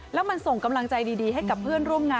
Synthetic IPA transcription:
lɛː˦˥wma˧nso˨˩ŋka˧mla˧ŋt͡ɕa˧jdiː˧diː˧ɦa˥˩jka˨˩pʰːɯ˥˩ənɾu˥˩əmŋaː˧

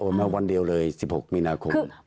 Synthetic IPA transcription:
ʔoː˧˩maː˧˥˩wa˧ndi˧əwlɤː˧jsi˨˩p̚ho˨˩k̚miː˧naː˧kʰo˧m˧

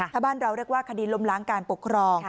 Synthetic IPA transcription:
aː˧˦baː˥˩nɾa˧wɾi˥˩ək̚waː˥˩kʰa˧diː˧˩lo˧mla˩˦ŋkaː˧npo˨˩kʰːɾɔː˧ŋ

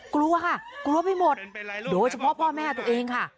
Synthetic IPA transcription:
kɾu˧ɐkʰa˥˩klu˧əpa˥˩jmo˨˩t̪̚doː˧jt͡ɕʰa˧pʰɔ˦˥pʰɔː˥˩mɛː˥˩t̪u˧əʔeː˧ŋkʰa˥˩

